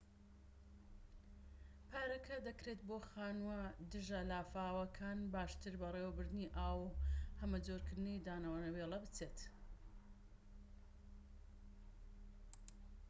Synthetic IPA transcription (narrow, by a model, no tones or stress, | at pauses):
pʰaːɾɐkʰɐd̪ɐkɾet̪boːxaːnwɐd̪ɨʒɐlaːfaːwɐkʰaːnbaːʃt̪ɨɾbɐrewɐbɨɾd̪ɨniʔaːwhɐmɐd͡zoɾkɨɾd̪ɨnɐjd̪aːnɐwanɐweːlˠɐbɨt͡set̪